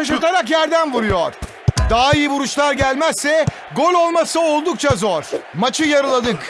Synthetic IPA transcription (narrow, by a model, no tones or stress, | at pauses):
aʃ̬ɯɾt̪ʰaɾakjæɾd̪ænvuɾujoɾ̥ | d̪aaijibuɾuʃlˠaɾɟælʲmæsːɛ | ɡolʲo̞lˠmasɯo̞lˠd̪uk̚t͡ʃʰazoɾ̥mat͡ʃʰɯjaɾɯlˠad̪ɯk